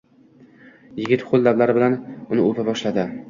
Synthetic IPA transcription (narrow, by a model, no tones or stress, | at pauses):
jɪɡʲɪt̪χolˠd̪avlaɾɪbɪlanʊnɪopʰabɒʃlad̪ɪ